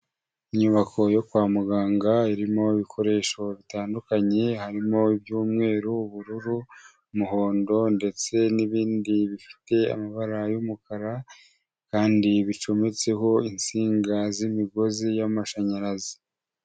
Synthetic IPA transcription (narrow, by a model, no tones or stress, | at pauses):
iɲuβakʰo̞jo̞kwaːmuɡaːŋɡaiɾimo̞iβikʰo̞ɾe̞ːʃo̞βitaːndukaɲe̞haɾimo̞ibjuːmŋe̞ːɾuβuɾuɾu | muho̞ːndo̞nde̞t͡se̞niβiːndiβifi̥te̞a̰maβaɾajumukaɾa | kaːndiβit͡ʃo̞me̞t͡se̞ɦo̞int͡siːŋɡazimiɡo̞zijamaʃaɲaɾazi̥